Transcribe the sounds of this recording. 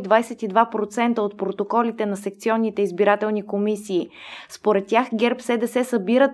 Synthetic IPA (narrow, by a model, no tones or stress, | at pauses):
d̪vajsɛt̪id̪vapɾot̪sɛnt̪əot̪̚pɾot̪okɔlit̪ɛnɐsɛkt̪siɔnːit̪ɛizbiɾat̪ɛlˠnikomisiːspoɾɛt̪ːʲjaxɡʲɛɾpsɛd̪ɛsɛsəbiɾət̪